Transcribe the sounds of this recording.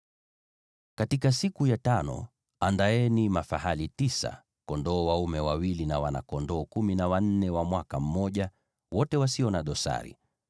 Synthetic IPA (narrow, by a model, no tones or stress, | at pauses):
katikasikujatanɔ̰ | andaɛnimafahalitisa̰ | kɔndɔːwaumɛwawilinawana̰kɔndɔːkuminawan̩nɛwamwakam̩mɔʄa | wɔtɛwasiɔnaɗɔsa̰ɾḭ